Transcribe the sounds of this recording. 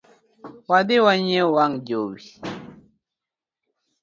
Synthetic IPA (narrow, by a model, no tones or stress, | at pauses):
wadewaɲɛwaŋd͡ʒowi